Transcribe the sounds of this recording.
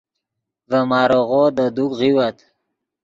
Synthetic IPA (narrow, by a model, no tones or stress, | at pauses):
vəmɑɾoɣod̪əd̪ukɣiwat̪